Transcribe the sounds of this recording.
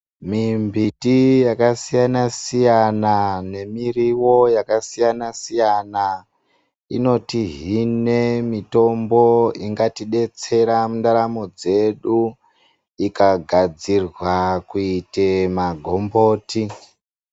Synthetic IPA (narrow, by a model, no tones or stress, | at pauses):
mimbitijakasijanasijanane̞miriwo̞jakasijanasijana | ḭno̞tiɦine̞mito̞mbo̞iŋɡatiɗe̞t͡se̞ɾamundaɾamo̞d͡ze̞ɗu | ikaɡʱad͡zirwakuitemaɡʱo̞mbo̞ːti